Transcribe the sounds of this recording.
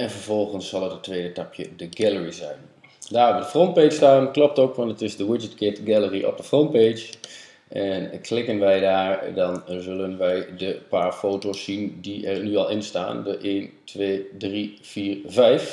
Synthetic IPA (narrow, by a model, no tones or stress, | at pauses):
ɛnvəɹvɔlˠχənsːɑlˠətətːʋeːdətɑpʰjədəɡɛləɹizɛ̰jn | daːɹɔdəfrɔnt̚pestaːnklɔp̚toːkʋɑntətɪzdəwɪd͡ʒətɡɪtɡɛləriʔɔ̰pdəfront̚peːd͡ʒ | ʔɛnklɪkənʋɛjdaːɹdɑnzɵlənʋɛjdəpaːɹfoːtosːindiʔɛɹnyɑlˠɪnsta̰ːndəʔeːntʰʋeːdriv̥iːɹvɛjf